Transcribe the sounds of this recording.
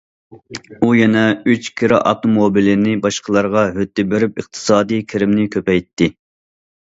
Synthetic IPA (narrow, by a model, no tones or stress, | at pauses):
ujɛnɛyt͡ʃkʲʰiɾɪʔɑft̪omobilɪnɪbɑʃqʰəlˠɑɾʁɑɦød̪ːɪbeɾypɨq̚t̪ʰɨ̥sɑːd̪ijkʲʰɪɾɪmnɪkʲʰøpɛjt̪ʰːɪ